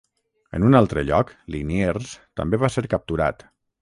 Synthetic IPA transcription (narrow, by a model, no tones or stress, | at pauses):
ə̰nunalˠt̪ɾəʎɔklinierst̪ə̰mbeβaseɾkəp̚t̪uɾa̰t̪